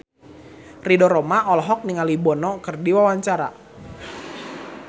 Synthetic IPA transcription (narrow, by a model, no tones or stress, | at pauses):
ridɔɾɔmaʔɔlɦɔk̚niŋalibɔnɔkɨrdiwawaɲt͡ʃaɾa̰